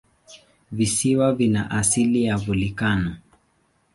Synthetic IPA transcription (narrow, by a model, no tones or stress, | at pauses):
visiwavinaʔasilijavulikanɔ